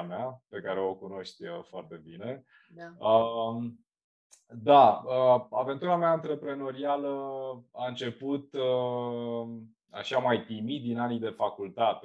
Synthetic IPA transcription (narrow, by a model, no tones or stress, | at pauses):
meape̞kaɾe̞o̞kuno̞ʃt̪ʲəfoart̪e̞bine̞ | ə | d̪aəave̞nt̪uɾameaɨnt̪ɾe̞pɾe̞no̞ɾialəaɨnt͡ʃe̞put̪ə | a̰ʃamajpɾimid̪inanijd̪e̞fakult̪at̪e